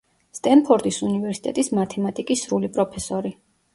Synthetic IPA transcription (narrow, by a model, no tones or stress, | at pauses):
st̪ʼɛnpʰɔɾt̪ʼisunivɛɾsi̥t̪ʼɛt̪ʼismat̪ʰɛmat̪ʼikʼisːɾulipʼɾɔpʰɛsɔɾi